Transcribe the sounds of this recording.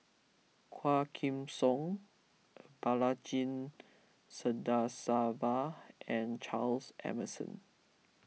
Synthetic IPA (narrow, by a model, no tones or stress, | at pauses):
kʰwakʰĩmsɔ̃ŋ | balad͡ʒĩn | sədasavaɛ̃nt͡ʃalsʔɛ̰məsɔ̰̃n